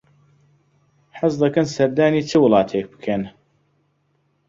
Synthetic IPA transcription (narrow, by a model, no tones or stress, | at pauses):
ħɨs̬d̪ɐkɐnsɐɾd̪aːniːt͡ʃʰɨwʊlˠɑːt̪ʰeːk̚bɨ̥kʰen